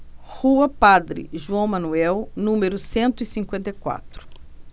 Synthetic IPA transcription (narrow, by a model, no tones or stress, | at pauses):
huɐpad̪ɾɪ̰ʒuɐ̃w̃mɐnuɛwnũmeɾʊsẽnt̪ʊisĩŋkwẽnt̪ejkwa̰t̪ɾʊ̥